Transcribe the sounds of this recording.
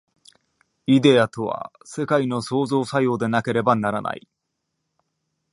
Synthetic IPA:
id̪e̞at̪o̞βa̰ | se̞kaino̞so̞ːzo̞ːsajo̞ːd̪e̞nake̞ɾe̞banaɾana̰i

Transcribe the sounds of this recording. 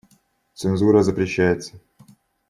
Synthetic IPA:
t̪sɨnzuɾəzəpɾʲɪɕːæjɪt̪sə̥

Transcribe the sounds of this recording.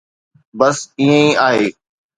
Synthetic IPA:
bəsĩːə̃ĩːaːɦeː

